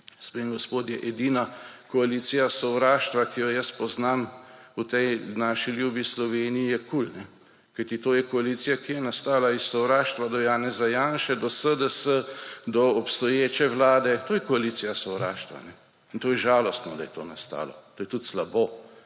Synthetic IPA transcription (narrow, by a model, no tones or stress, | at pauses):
spemɡɔspoːt̪jɛʔɛd̪inakɔaliːt̪sijasɔwɾaːʃt̪ʋakijɔjɐspɔznaːmut̪ɛjnaːʃiljubjislɔʋeːniijɛkulnɛ | kajt̪it̪oːjɛkɔaliːt̪sijakijɛnast̪aːlaissɔwɾaːʃt̪ʋad̪ɔjaːnɛzajaːnʃɛd̪ɔsəd̪əsəd̪ɔːpst̪ɔjeːt͡ʃɛʋlaːd̪ɛt̪oːjɛkɔaliːt̪sijasɔwɾaːʃt̪ʋa̰nɛ | int̪oːjɛʒaːlɔst̪nɔd̪a̰jɛt̪o̰ːnast̪a̰ːlɔ̰t̪oːjɛt̪ut̪slaboː